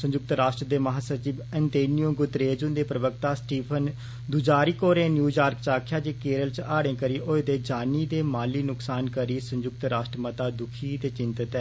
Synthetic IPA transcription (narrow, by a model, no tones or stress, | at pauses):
sə̃ɲd͡ʒʊk̚t̪ɾaːʃʈɾəd̪eːməɦaːsəɾt͡ʃiːbɛ̃nt̪eːnijõːɡʊt̪ɾeːd͡ʒʊnd̪eːpɾəbək̚t̪aːsʈiːpʰən | d̪ʊd͡ʒaːɾiːkoːɾẽːnjuːd͡ʒaːɾkt͡ʃaːkʰjaːd͡ʒeːkeːɾəlt͡ʃaːɽẽːkəɾiːʔoːd̪eːd͡ʒaːniːd̪eːmaːliːnʊksaːnkəɾiːsə̃ɲd͡ʒʊk̚t̪ɾaːʃʈɾəmət̪aːd̪ʊkʰiːd̪eːt͡ʃɪnt̪ət̪ɛː